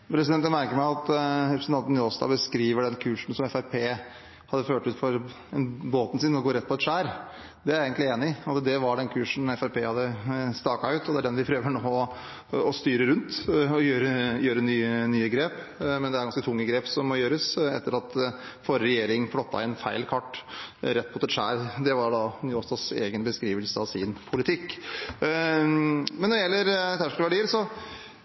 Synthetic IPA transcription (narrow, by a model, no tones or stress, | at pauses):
pʰɾɛsɪd̪ɛnt̪ænmæɾkəɾmæɪɑt̪ɾɛpʰɾsn̩t̪ɑnt̪njɔst̪ɑ̰ːbəskɾiːʋəɖɛnkʰʉːʂn̩sɔmɛfæɾpʰeː | hɑd̪ːəføːʈʉːt̪fɔɾ | ɛnboːt̪n̩sɪːnɔɡoːɾɛt̪ːpɔɛt̪ʂæːɾ | d̪ɛæɾeːɡənlɪeːnɪɑt̪d̪ɛʋɑɖɛnkʰʉːʂn̩ɛfæɾpʰeːhɑd̪ːəst̪ɑːkɑʉːt̪ɔd̪ɛæɖɛnʋɪpʰɾøːʋəɳoːɔ | ɔst̪yːɾəɾʉnt̪ɔjøːɾəjøːɾənyːənyːəɡɾeːp | mɛnd̪ɛæɾɡɑnskət̪ʰʊŋːəɡɾeːpsɔmːɔjøːɾəsɛ̰t̪ːəɾɑt̪ | fɔɾəɾɛjeːɾɪŋflɔt̪ːɑ̰ɪnfæɪlkʰɑʈːɾɛt̪ːpʰɔt̪ɛʂæ̰ːɾd̪ɛʋɑɾɖɑnyːost̪ɑsḛːɡənbəskɾiːʋəlsəɑʋsɪnpʰʊlɪt̪ʰɪkː | mɛnːɔɖɪjɛlːəɾt̪ʰæʂkəəʋæɖiːəɾsɔ